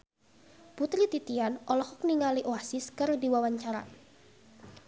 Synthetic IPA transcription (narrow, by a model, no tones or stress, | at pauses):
put̪ɾit̪it̪ianɔlɔhɔk̚niŋaliʔoasiskɨrdiwawaɲt͡ʃaɾa̰